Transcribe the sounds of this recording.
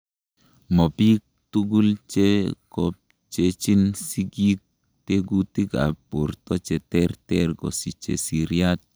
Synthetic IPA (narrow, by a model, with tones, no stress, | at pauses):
mɔ˨pi˦k̚t̪uɡu˦lt͡ʃe˦kɔp̚ | t͡ʃet͡ʃi˦nsi˦ɡik̚ | t̪eɡu˦t̪i˦ka̰˨po˨ɾt̪ɔ˦t͡ʃɛ˨t̪ɛɾt̪ɛɾɡɔ̰˨si˨t͡ʃḛ˨si˨ɾjat̪̚